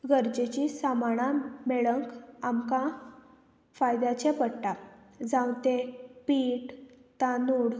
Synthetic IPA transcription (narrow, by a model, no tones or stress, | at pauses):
ɡəɾd͡ʑet͡ɕisamaɽameɭəŋkamkã | fajd̪at͡ɕepəɽʈa | d͡zãwt̪epiːʈt̪anuɽ